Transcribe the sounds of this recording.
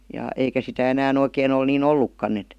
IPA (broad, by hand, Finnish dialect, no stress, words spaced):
jɑ eikæ sitæ enæːn oikeːn ol niːn olːukːɑnː et